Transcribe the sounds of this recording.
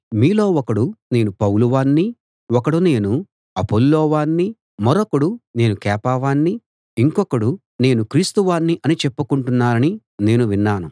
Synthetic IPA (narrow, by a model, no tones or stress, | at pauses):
miːlo̞ːɔkɐɽune̞ːnupɐwluʋaːnːi | ɔkɐɽune̞ːnu | ɐpolːɔːʋaːnːi | mɐɾokɐɽune̞ːnukɛːpaːʋaːnːi | iŋkɔkɐɽu | ne̞ːnukɾiːst̪uʋaːnːiʔɐnit͡ʃepːukuɳʈunːaːɾɐni | ne̞ːnuʋinːaːnu